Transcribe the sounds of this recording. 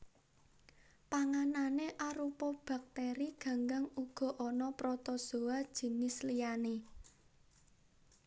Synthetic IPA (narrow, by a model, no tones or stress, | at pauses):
paŋananeʔaɾupɔb̥ä̤k̚t̪eɾiɡ̥ä̤ŋɡaŋuɡ̥ɔ̤ʔɔnɔpɾɔt̪ɔso̤ad̥ʒ̥i̤nɪslijane